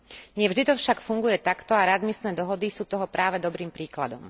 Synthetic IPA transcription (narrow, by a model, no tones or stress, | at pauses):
ɲɪɛvʒd̪it̪ɔfʃakfuŋɡujɛt̪akt̪ɔaɾad̪misnɛːd̪ɔɦɔd̪isuːt̪ɔɦɔpɾaːʋɛd̪ɔbɾiːmpɾiːkla̰d̪ɔm